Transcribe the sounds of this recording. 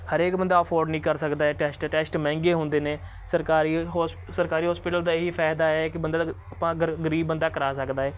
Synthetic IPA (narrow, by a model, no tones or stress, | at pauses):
həɾeːkbənd̪aːəpʰoːɾɖnĩːkəɾsəkd̪aːɛːʈɛːsʈʈɛːsʈmɛ̃ːŋɡeːɦʊ̃nd̪eːneː | səɾkaːɾiːɦ | səɾkaːɾiːɦɔːspɪʈəld̪aːɪɦiːpʰɛːd̪aːɛːkɪbənd̪aːəpãːɡəɡəɾiːbːənd̪aːkəɾaːsəkd̪aːɛː